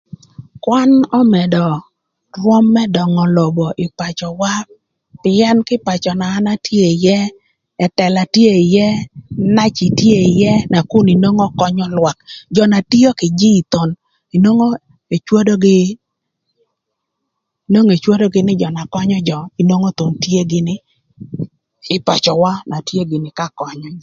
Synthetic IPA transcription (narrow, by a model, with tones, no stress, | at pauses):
kwa˦nɔ˦mɛ˨dɔ˨ | ɾwɔ˦mːɛ˦dɔ˨ŋɔ˨lo˨bo˨ʔɪ˨pa˨t͡ʃɔ˨wa˦p | pɪ˦ɛ˦nkɪ˦pa˨t͡ʃɔ˨naː˨˦na˦tje˦˨jɛ˦ | ɛ˨tɛ˨la˨tje˦˨i˨jɛ˦na˦t͡ʃi˨tje˦˨i˨jɛ˦na˨ku˦ni˨no˦ŋɔ˦kɔ˦ɲɔ˦lwa˨kd͡ʒɔ˨na˨ti˦o˦kɪ˨d͡ʒi˦˨t̪o˨n | i˨no˦ŋo˦ | e˨t͡ʃwo˦do˦ɡɪ˦ | i˨no˦ŋe˨t͡ʃwo˦do˦ɡɪ˦nɪ˦d͡ʒɔ˨na˨kɔ˦ɲɔ˦d͡ʒɔ˨i˨no˦ŋo˦t̪o˨ntje˦ɡɪ˦nɪ˦ | ɪ˦pa˨t͡ʃɔ˨wa˦na˨tje˦ɡɪ˨nɪ˨ka˦kɔ˨ɲɔ˨˦